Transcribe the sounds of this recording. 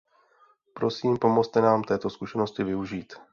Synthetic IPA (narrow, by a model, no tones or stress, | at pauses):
pɾo̞siːmpo̞mot͡st̪ɛnaːmt̪ɛːt̪o̞skuʃɛno̞scɪvɪuʒiːt̪